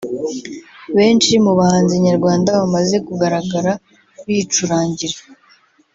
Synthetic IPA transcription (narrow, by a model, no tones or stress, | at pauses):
βe̞ːnt͡ʃimuβahaːnziβɲaɾɡwaːndaβamaze̞kuɡaɾaɡaɾa | βit͡ʃuɾaːɲɟiɾe